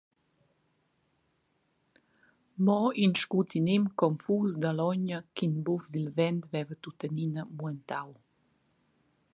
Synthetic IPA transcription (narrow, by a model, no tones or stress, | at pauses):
mɔinʃkut̪inemkɔmfusd̪alɔɲəkinbufd̪ilvɛnt̪vɛvət̪ut̪əninəmuɛənt̪aw